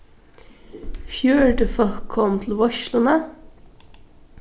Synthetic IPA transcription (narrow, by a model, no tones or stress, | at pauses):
fjʉːɖəfɔlkʰːɔmt̪ʰl̩ʋɔʃlʊnə